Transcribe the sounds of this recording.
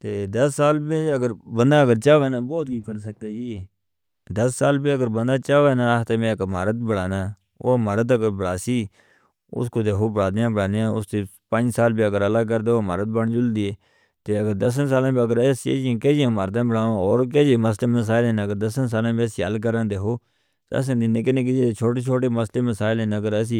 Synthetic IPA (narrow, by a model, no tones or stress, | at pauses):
t̪eːd̪əsːaːlbẽəɡəɾbənd̪aːəɡəɾt͡ʃaːʋẽːnaːbɔːt̪̚kikəɾsək̚d̪aːd͡ʒiː | d̪əsːaːlbiːəɡəɾbənd̪aːt͡ʃaːʋeːnãːat̪eːmẽːkmaːɾət̪bəɽaːnaː | o̰ːməɾət̪̬əɡəɾbəɽaːsiː | ʊ̰skoːt̪eːɦoːbəɽaːd̪jãːbɽaːd̪eãːʊst̪eː | pə̃nd͡ʒsaːlbiːəɡəɾələːɡ̚kəɾd̪eːoːmaːɾət̪̚bəɳːd͡ʒʊld̪iːeː | t̪eːəɡəɾd̪əs̬ns̬aːlãːbiːəɡəɾɛsḛːd͡ʒãːkeːd͡ʒiãːmaɾt̪ãːbəɽaːõoːɾkeːd͡ʒiːməs̬leːməs̬aːɪleːnəɡəɾd̪əsəns̬aːlãːbisiːə̰lkəɾãːd̪eːkʰoː | t̪ə̰sːd̪ɪnẽːkɪnẽːk̬ɪd͡ʒiːt͡ʃʰoːʈeːt͡ʃʰoːʈeːməsleːməsaːɪleːnəɡəɾəs̬iː